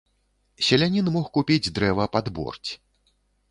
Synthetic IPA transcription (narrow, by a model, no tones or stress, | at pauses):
sʲɛlʲanʲinmɔxkupʲid͡zʲd̪ɾɛvɐpad̪bɔ̰rt͡sʲ